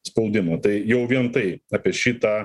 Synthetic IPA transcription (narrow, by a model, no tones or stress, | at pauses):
spɐʊd̪ʲɪmɐt̪ɐɪjɛʊʋʲiɛnt̪ɐɪɑːpʲiɛʃʲiːt̪ɑː